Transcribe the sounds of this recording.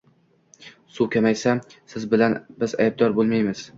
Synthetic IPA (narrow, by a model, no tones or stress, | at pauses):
sukʰʲamajsasɪzbɪlanbɪzajb̚d̪ɒɾbolˠmajmɪz̥